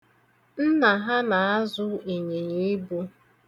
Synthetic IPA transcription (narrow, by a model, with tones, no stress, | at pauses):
n̩˦na˨ɦa˦na˨a˦zʊ˦e˨ɲe˨ɲe˨i˦bu˦